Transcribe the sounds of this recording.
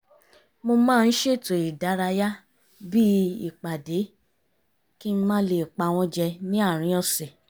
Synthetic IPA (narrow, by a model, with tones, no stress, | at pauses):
mo˧mãː˦˧n̩˦ʃe˦˨to˨i˨da˨˦ɾa˧ja˦ | bi˦i˦˨k͡pa˨de˨˦ | ki˦n̩˦mãː˦le˨k͡pa˨˧˨w̃ɔ̃˧d͡ʒɛ˧nĩ˦a˦˨ɾ̃ĩ˨˦ɔ˦˧sɛ˨